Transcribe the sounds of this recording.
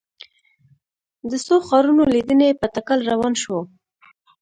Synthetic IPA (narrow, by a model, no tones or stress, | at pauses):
d̪əsoxɑɾunolid̪ənepət̪akalɾawɑnʃwo